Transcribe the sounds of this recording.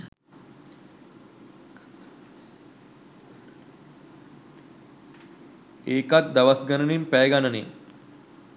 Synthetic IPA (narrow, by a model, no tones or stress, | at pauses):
eːkat̪̚d̪aʋasɡənənimpæjɡanənḭŋ